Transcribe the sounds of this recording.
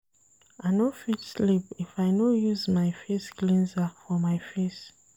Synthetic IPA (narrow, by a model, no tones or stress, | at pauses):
aɪnofitslipifajnojuzmajfesklĩnzafɔmajfes